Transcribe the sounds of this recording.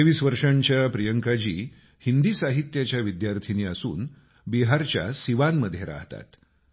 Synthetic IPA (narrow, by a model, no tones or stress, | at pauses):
eʋiːsʋəɾʂaɲt͡ɕjapɾijəŋkad͡ʑiː | hind̪iːsaɦit̪ːjat͡ɕjaʋid̪jaɾt̪ʰiniːəsṵːn | biɦaɾt͡ɕja̰siʋanməd̪ʱːjeɾa̰ɦt̪a̰t̪